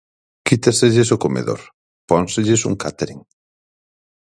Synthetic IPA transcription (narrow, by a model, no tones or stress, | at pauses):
kit̪aseʎɪsokomḛðo̰ɾ | pɔnsɪʎɪsṵŋkat̪eɾiŋ